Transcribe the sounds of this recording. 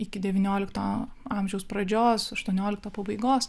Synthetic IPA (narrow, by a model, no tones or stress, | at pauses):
ɪkʲɪd̪ʲɛʋʲinʲoːlʲɪkt̪ɐɑˑmʲʒʲɛʊspɾɐd͡ʒʲoːsɐʃt̪uɔnʲoːlʲɪkt̪ɐːpɐbɐɪɡoːs